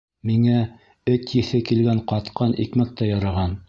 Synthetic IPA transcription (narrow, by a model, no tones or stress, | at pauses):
miŋæ | ɵt̪jɘ̆θɘkilɡæɴqɑt̪qɤnʔḭkmæk̚t̪ɑjɑɾɑʁɑn